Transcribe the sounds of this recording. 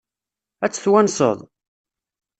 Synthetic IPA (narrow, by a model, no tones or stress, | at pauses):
æt͡sːə̥θwænsˤə̰ðˤ